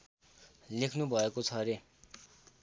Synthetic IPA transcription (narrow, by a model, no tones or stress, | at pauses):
lekʰnubʱʌekot͡sʰʌɾe